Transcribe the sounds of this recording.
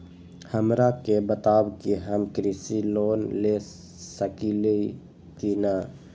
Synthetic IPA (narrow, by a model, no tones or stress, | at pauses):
həmɾakebət̪aːwkiɦəmkɾisiloːnle | səkilei | t̪ina